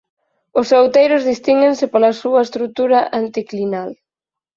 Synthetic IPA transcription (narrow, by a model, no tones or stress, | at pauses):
ʊsowt̪ejɾʊzðist̪iŋɡensɪpolɐsuɐest̪ɾut̪uɾaʔant̪iklinal